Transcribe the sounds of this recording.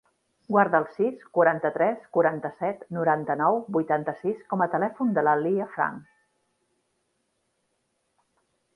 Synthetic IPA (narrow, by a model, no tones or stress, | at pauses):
ɡwaɾðəːlˠsiskuɾant̪ət̪ɾɛskuɾant̪əsɛt̪nuɾant̪ənɔwbujt̪ant̪əsiskɔmət̪əlɛfund̪ələliəfɾa̰ŋk